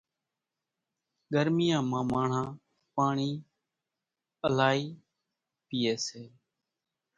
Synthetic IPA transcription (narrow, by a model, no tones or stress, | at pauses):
ɡəɾmɪjãːmãːmãːɳ̤ãː | paːɳiː | əlaːiː | pɪːeːseː